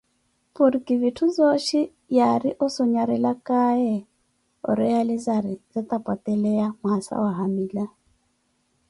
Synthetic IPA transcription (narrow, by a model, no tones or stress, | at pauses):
puɾikʼivitʰuzɔʃi | jaɾiʔɔsɔɲaɾɛlakaɛ | ɔ̰ɾɛjalizaɾizat̪apwatʼɛlɛjamwasa̰waɦamiːla